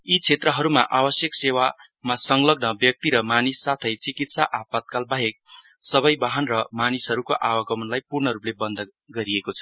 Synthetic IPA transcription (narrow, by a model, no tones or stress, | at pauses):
it͡sʰet̪rʌɦʌɾumaʔabʌsjʌksewa | masʌŋlʌɡnʌbjʌk̚t̪iɾʌmanisːat̪ʰʌjt͡sikit̪saʔapat̪̚kalbaɦek̚ | sʌbʌjbaɦʌnrʌmanisɦʌɾukoʔawʌɡʌmʌnlajpurɳʌɾuplebʌnd̪ʱ | ɡʌɾiekot͡sʰʌ̥